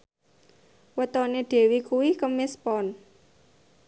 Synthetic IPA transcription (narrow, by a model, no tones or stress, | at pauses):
wət̪ɔneɖ̪̥e̤wikuwikəmɪspɔn